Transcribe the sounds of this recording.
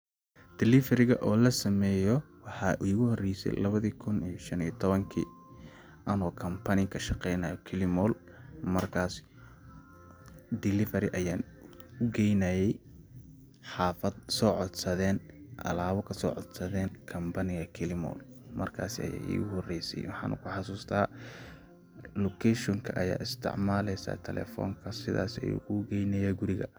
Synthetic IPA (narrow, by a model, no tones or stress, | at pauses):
d̪̥ɪlɪfɛɾɪɣɐʔɔːlɐsɐmɛːjɔwɑħɑːʔiːɣʊhɔrɛjsɛ̰jlɐβɐðiːkʰʊnijɔʃɐniːt̪ʰɔβɐŋkʰḭː | ʔɐnɔːkʰɐmpʰɐnɪkʰɐʃɑqɛjnɐːjɔkʰɪlɪmɔːl | mɐrkʰaːs | d̪ɪlɪfɛɾɪʔɐjaːn | ʊɡɛjnɐjɛj | ħɑːfɐd̪sɔːʕɔd̪sɐðɛːnʔɐ̰laːβɐkʰɐsɔːʕɔd̪sɐðɛːnkʰɐmbɐnɪɣɐkʰɪlɪmɔ̰ːl | mɐ̰rkʰa̰ːsɪɐ̰ja̰ːʔḭːɣʊhɔrɛjsɛ̰jwɑħɑ̰ːnʔʊ̰kʰʊħɑsuːst̪ʰaː | lɔkʰɛʃɔŋkʰɐʔɐja̰ːʔɪst̪ʰɪ̰ʕmaːlɛjsa̰ːt̪ʰɛlɛ̰fɔ̰ːŋkʰɐsɪða̰ːsɛ̰jʊ̰ɣʊɡɛjnɐjaːɡʊɾɪɣɐ̰